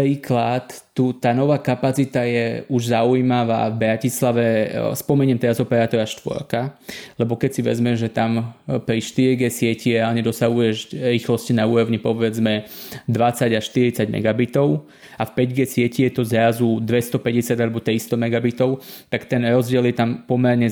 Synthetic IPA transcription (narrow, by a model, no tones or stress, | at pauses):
pɾiːklat̪ː | ut̪aːnɔʋaːkapat͡sit̪ajɛuʒzaujmaʋa̰ːvbɾacislaʋɛspɔmɛɲiɛmt̪ɛɾazɔpɛɾaːt̪ɔɾaʃt̪ʋɔ̰ɾkalɛbɔkɛcsiʋɛ̰zmɛʒʒɛt̪ampɾiʃt̪iɾiɡɛsɪɛciɾɛaːlɲɛd̪ɔsaɦujɛʒɾiːxlɔscinauːɾɔʋɲipɔʋɛd͡zmɛd̪ʋat͡saɟaʃt̪iɾit͡saɟmɛ̰ɡabit̪ɔʊ | afpɛɟɡɛːsɪɛcijɛt̪ɔzɾazud̪ʋɛst̪ɔpɛɟɛsɪad̪alɛbɔt̪ɾist̪ɔmɛɡabit̪ɔʊt̪akt̪ɛnɾɔzɟɪɛljɛt̪ampɔmɛɾɲɛ